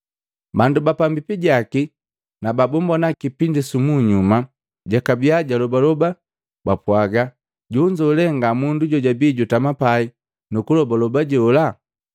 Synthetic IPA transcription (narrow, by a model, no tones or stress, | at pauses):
bandubapambipiɟaki | nababɔmbɔnakipindisumuɲuma | ɟakabiaɟalɔbalɔba | bapwaɡa | ɟuɲd͡ʒaulɛŋɡamunduɟɔɟabiːɟutamapai | nukulɔbalɔbaɟɔɔla